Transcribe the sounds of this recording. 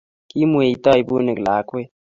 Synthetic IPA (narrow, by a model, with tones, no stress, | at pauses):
ki˦mu˦e˨i˨t̪ɔ˦i˨buː˦ne˨klaː˨˦kwe˦